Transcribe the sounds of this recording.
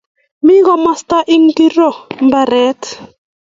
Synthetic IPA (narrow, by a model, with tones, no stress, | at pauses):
mi˦ɣɔ˨ma˦st̪a˦ʔi˦ŋ˦ki˦ɾɔ˨mba˨ɾɛ˦t